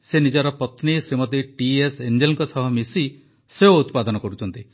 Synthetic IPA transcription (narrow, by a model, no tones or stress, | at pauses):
senid͡ʒɔɾɔpɔt̪nisɾimɔt̪iʈiesend͡ʒelɔŋkɔsɔɦɔmisi | seout̪pad̪ɔnɔkɔɾut͡ʃʰɔnt̪i